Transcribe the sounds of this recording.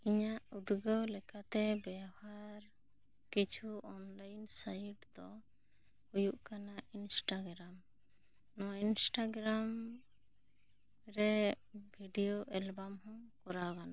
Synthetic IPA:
iɲaʔud̪ɡəwlɛkat̪ɛbahaɾ | kit͡ʃʰuɔnlajnsaiʈd̪ɔ | hujuʔkanaʔinsʈaɡɾam | nɔinsʈaɡɾam | ɾɛ | bʱiɖijoʔɛlbamhɔ̃kɔɾakana

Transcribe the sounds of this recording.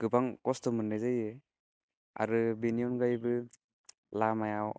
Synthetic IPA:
ɡ̥ɯbaŋkɔstɔmɯnːɯzajɯ | a̰ɾɯbiniɔnɡajbɯ | lamajaw

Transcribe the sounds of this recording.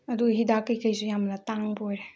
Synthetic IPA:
ɐduɡɦidakəjkəjsujamlataŋbojɾe

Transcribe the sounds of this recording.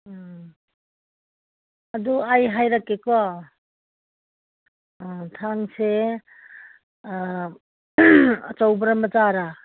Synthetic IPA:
aduajɦajɾakːekɔ | tʰaŋse | t͡ʃawbɐɾamazaɾa

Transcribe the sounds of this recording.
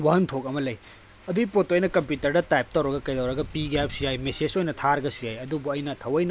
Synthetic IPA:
waɦɐntʰokɐmɐlɐj | ɐduɡipotojnɐkɐmpjutɐɾdɐtajp̚tɐwɾɐɡɐkɐjdɐwɾɐɡɐpiɡap̚sujajmesed͡ʒojnɐtʰaɾɐɡɐsujajɐdubuɐjnɐtʰɐwɐjn

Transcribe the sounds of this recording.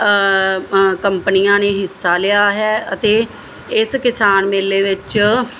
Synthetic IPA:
kəmpənijãːneːɦɪsːaːlɪjaːɦɛːət̪eː | ɪskɪsaːnmeːleːʋɪt͡ʃ

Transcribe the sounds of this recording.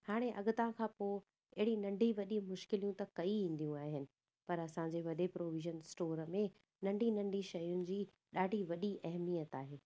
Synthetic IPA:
haːɽ̃eʔɐ̰ɠʊt̪ãkʰãːpoː | ɐɦɪɽinɐ̃ɳɖʱiʋɐɗimʊʃkɪlijũt̪ɐkɐiʋĩːn̆d̪ijũaːɦɪnɪ̆ | pɐɾɐsãɲd͡ʑeʋɐɗepɾoːʋɪʒənsʈoːɾəmẽ | nɐ̃ɳɖʱinɐ̃ɳɖʱiʃɐjʊnɪ̆d͡ʑiː | ɗaːɖʱiʋɐɗiʔɐɦmijət̪aːɦeː

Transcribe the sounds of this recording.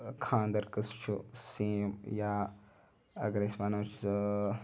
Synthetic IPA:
kʰãːnd̪ɐɾkɨst͡ʃʰusiːmjaː | ɐ̰ɡɾesʋanoːs

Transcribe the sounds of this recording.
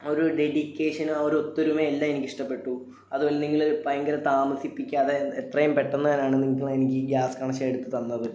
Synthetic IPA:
o̞ɾuɖe̞ɽikʲːe̞ːʂɐnuoɾuo̞t̪ːuɾumeːlːamenikʲːiʂʈɐpːe̞ʈːu | ɐðuboːlːeniŋːiɭoɾupɐjɐŋɡɐɾɐt̪aːmɐsipːikʲːuɐðeet̪rɐjumpeʈːenːɨðɐnaːɳɨniŋɐɭenikʲːɨɡaːskaːɳɐɕɐeɽut̪ːɨt̪ɐnːɐðɨ

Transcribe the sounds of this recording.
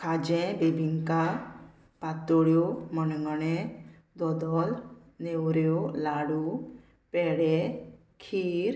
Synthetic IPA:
kʰaːd͡ʒɛ̃bebiŋka | pat̪oɽjomənŋɡənẽ | d̪ɔd̪ɔl | newɾjolaːɽu | pɛɽe | kʰiːɾ

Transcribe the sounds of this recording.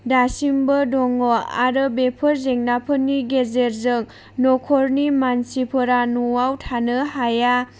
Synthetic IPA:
dasimbədɔŋɔa̰ɾɯbepʰɯɾzeŋnapʰɯnːiɡezeɾzɯŋ | nɔkʰɔɾnimansipʰɯɾanuwawtʰanɯhaja

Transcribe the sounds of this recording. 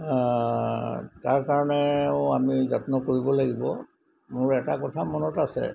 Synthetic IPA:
taɹkaɹɔnɛamizatnɔkoɹibɔlaɡibɔ | mʊɹɛtakɔtʰamɔnɔtasɛ̰

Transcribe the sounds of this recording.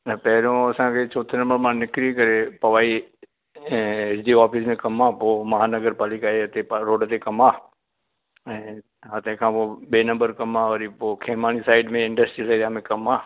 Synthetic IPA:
nɐpɛɦɾõɐsãːkʰet͡ʃoːt̪ʰnɐ̃mbəɾmãːnɪkɾikɐɾepɐʋaːi | ɪsd̪iːɔːpʰismẽkɐmãːpoːmɐɦaːnəɡəɾpaːlikaːeɐt̪ẽpaɾoːɖt̪ekɐmãː | ɛ̃ː | ɦɐt̪ẽkʰãːpoɓeːnɐ̃mbəɾkɐmãʋəɾipoːkʰeːmaːñisaːɪɖmẽɪ̃ɳɖəsʈɾisədãːmẽkɐmaː

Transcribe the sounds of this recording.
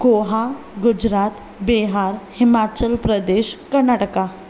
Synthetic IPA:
ɡoɦa | ɡʊd͡ʑɾat̪ | beɦaɾhimat͡ɕəlpɾəd̪eɕkəɾnaʈəka

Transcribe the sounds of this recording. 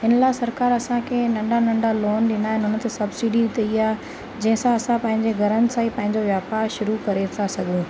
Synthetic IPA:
ɦɪnəlaɦɪsɐɾkaːɾɐsãkʰeːnɐ̃ɳɖanɐ̃ɳɖaloːnɗɪnaːɦɪnɪɦʊnə̆t̪esɐbsiɖit̪ɐiaː | d͡ʑɐ̃ɦɪ̃sãɐsãpɐ̃ɦɪ̃ɲd͡ʑeɡʱɐɾənɪ̆sãːĩpɐ̃ɦɪ̃ɲd͡ʑoʋjaːpaːɾʃʊɾukɐɾet̪ʰasɐɠʱũː

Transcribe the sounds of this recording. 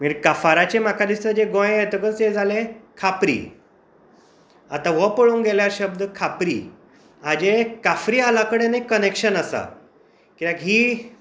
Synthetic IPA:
miːɾkafaɾat͡ɕemakad̪isəd͡ʑeɡõjet̪əkət͡sed͡zalẽkʰapɾḭː | a̰t̪ãʋəpəɭoŋɡɛljaɕəb̚d̪əkʰapɾḭː | ad͡ʑekafɾiːalakəɽenakənekɕənasa̰ | kit̪ãkɦiː

